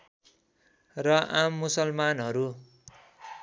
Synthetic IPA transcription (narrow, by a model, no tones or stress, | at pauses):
rʌʔamːusʌlmanɦʌɾu